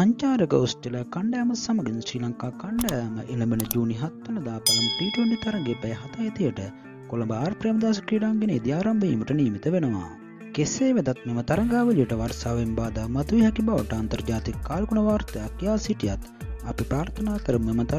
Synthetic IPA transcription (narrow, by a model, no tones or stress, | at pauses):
ɐɲt͡ʃaːɾəkəosʈeləkɐɳɖaːməsɐmɐɡinsɾiːlaŋkaːkɐɳɖajməʔilɐbenəd͡ʒuːniɦɐt̪ːɐlɐd̪aːpɐlɐməpiːʈoɳɖit̪ɐɾɐŋɡeːpɛjɦɐt̪ajet̪ijəʈə | kolɐmbəaːɾpɾijmɐd̪aːs̬ɐ̥kiːɖaŋɡeneːd̪iaːɾambəḭːməʈəniːmit̪əʋenəʋa̰ː | keseːʋed̪ɐt̪̚memət̪ɐɾɐŋɡaːʋəlijəʈəʋɐɾsaːʋembaːd̪aːmɐt̪uʋiɦɛkibaʋəʈəɐnt̪ɐɾd͡ʒaːt̪ikːaːlkuɳɐʋaːɾt̪ɐjakijaːsiʈijat̪ | ɐ̰pipɾaːɾt̪ʰɐnaːkəɾəmːemət̪ɐ